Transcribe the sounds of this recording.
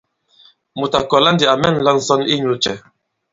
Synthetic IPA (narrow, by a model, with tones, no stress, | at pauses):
mu˨ta˨kɔ˨la˦ndi˨a˨mɛ˦n̩˨la˦n̩˨sɔ˦ni˦ɲlu˦t͡ʃɛ˨